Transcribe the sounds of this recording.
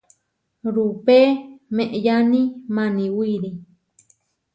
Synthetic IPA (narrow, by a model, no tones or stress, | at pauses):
ɾupemẽʔejanĩmãnĩwiɾi